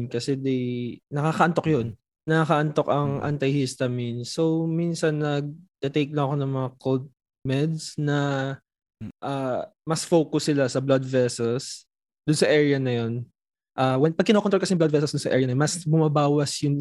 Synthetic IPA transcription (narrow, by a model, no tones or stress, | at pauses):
nkɐsɛd̪ɛjnɐkakɐʔɐnt̪okjon | nɐakɐʔɐnt̪o̞kɐŋʔa̰nt̪ɐjhist̪ɐminso̞wminsɐnːɐɡ̚t̪ɛt̪ejk̚lɐŋɐko̞nɐŋmɐŋakold̪̚ | mɛd̪snɐ | ʔaːmɐsfowkʊsːɪlasɐblad̪vɛsɛls | d̪ʊnsɐʔɛɹɪjɐnɐjo̞n | ʔawɛnpɐɡ̚kɪnokonɾokɐsɛjmblɐd̪vɛs̬ɛlsd̪ʊnsɐʔɛ̰ɹjɐnɐjnmɐsbʊmɐbaːwɐsjʊŋ